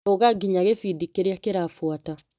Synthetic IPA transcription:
oɣaɡiɲaɣefidikeɾeakeɾafwata

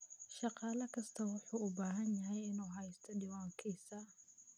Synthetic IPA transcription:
ʃɑqɑːlɐkʰɐst̪ʰɐwʊħuːʊbaːɦɐnjɐɦɛjɪnuːɦɐjst̪ʰɔɖiːwaːŋkʰiːsɐ

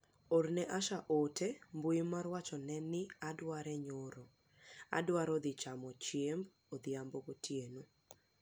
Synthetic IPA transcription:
ornɛʔaʃaʔotembujimarwat͡ʃɔnɛnɪadwaɾɛɲoɾo | a̰dwaɾɔd̪ɪt͡ʃamɔt͡ʃemb | od̪ɪamboɡotjeno

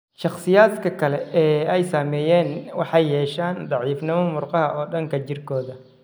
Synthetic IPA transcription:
ʃɑχsɪjaːd̪kʰɐkʰɐlɛɛːɛjsaːmɛːjɛːnwɑħɑjːɛːʃaːnd̪ɑʕiːfnɪmɐmʊrqɑɦɐʔɔːɖɐŋkʰɐt͡ʃɪrkʰɔːðɐ

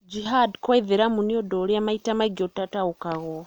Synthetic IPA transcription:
d͡ʒiɦadkwaðeɾamuniodoliamaitamaɡotataukaɣo

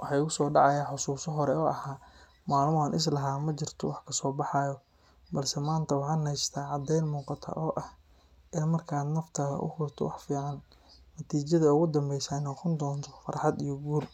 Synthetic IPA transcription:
wʔɑħɑjɣʊsɔːɖɑʕɑjaːħʊsuːsɔɦɔɾɛɔːʔɐɦaː | maːlmɔɐnʔɪs̬lɐɦaːmɐt͡ʃɪrt̪ʰɔwɑħkʰɐsɔːbɑħɑjɔ | bɐlsɛmaːnt̪ʰɐwɑħɑːnɛjst̪ʰaːʕɑd̪ɛjlmuːqɑt̪ʰɐ̰ʔɔːʔɐh | ʔɪnmɐrkʰaːd̪nɐft̪ʰɐlɐ̰ʔʊ̰hʊrt̪ʰɔ̰wɑħfiːʕɑnːɐt̪ʰiːt͡ʃɐðɐʊɣʊd̪ɐmbɛjsaːnɔqɔnd̪ɔːnt̪ʰɔ̥fɐ̰ɾħɑd̪ijɔɡuːl

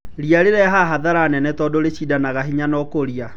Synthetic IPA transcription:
ɾiaɾeɾɛɦaɦaðaɾanɛnɛtɔdoɾeɕidanaɣaɦiɲanɔkoɾia

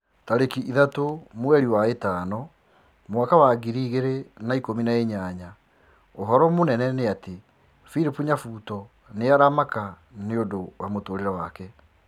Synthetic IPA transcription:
taɾekiʔiðatomwɛɾiwaetaːnɔ | moakawaɡiɾiːɣeɾenaikominaeɲaɲa | oɦɔɾɔmonɛnɛneate | fiɾipuɲafuːtɔ | neaɾamaka | neodowamotoːɾeɾawakɛ

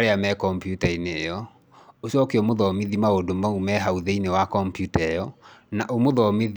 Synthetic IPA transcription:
ɾeamɛkɔmpjutaineːjɔ | oɕɔkeɔmoðɔmiðimaodomaumɛɦauðeinewakɔmpjutaɛjɔnaʔomoðɔmið

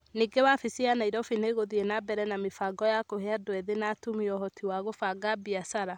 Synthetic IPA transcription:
niːɡewafisianaiɾɔfineɣoðienabɛɾɛnamefaːɡɔjakoɦeadwɛðenatumiɔɦɔtiwaɣofaɡabiasaɾa

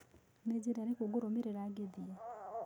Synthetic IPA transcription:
ned͡ʒeɾaɾekoɡoɾomeɾeɾaɡeðie

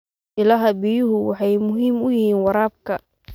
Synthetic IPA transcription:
ʔɪlɐɦɐbɪjʊɦʊwɑħɑjmʊɦiːmʊjɪhiːnwɑɾaːb̚kʰɐ

